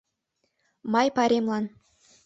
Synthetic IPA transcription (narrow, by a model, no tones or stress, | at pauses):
mɑjpɑɾʲemlˠɑn